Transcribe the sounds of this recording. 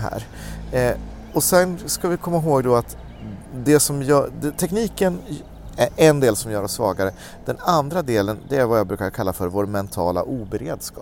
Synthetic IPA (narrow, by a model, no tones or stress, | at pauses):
ɦæ̰ːɾ | ɔsɛnskavɪkʰɔmːaɦoːɡd̪ɔat̪ | d̪ɛsɔmjd̪ɛt̪ʰɛkniːkən | æʔɛnd̪eːlsɔmjœːɾɔsːvɑːɡaɾə | d̪̥ɛnand̪ɾad̪eːlənd̪ɛæɾvajɑːbɾʉ̟ːkaɾkʰalːafœɾvoːɾmɛnt̪ʰɑ̰ːla̰ʔuːbɛɾḛːd̪skɑː